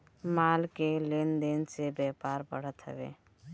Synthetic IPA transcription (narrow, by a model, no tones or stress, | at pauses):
maːlkeleːnd̪eːnsebɛːpaːɾbə̰ɽ̤ət̪ɦə̰ʋḛː